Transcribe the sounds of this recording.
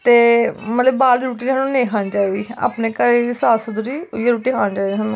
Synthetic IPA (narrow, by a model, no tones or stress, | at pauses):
t̪eːmət̪ləbbaːlːɾuːʈiːnaːnũːnẽːkʰaːnd͡ʒaːeɡiːa̰ːpneːkəɾeːisaːsʊd̪ʊɾiːjeɾuːʈiːkʰãːnd͡ʒaːid̪iaːnũː